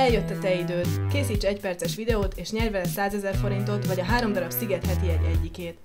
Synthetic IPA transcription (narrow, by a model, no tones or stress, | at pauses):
ɛljøt̪ːɒt̪ɛid̪øːt̪keːsiːt͡ʃɛɛcpɛrt̪sɛʃʋid̪ɛoːt̪eːʃɲɛrvɛlɛsaːzɛzɛrfo̞ɾint̪o̞t̪ʋɒɟɒɦaːɾo̞md̪ɒɾɒbsiɡɛt̪hɛt̪iɛɟɛ̰ɟːikeːt̪